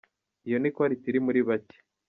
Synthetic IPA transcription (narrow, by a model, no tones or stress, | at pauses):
ijonikwaɾitiɾimuɾiβace̥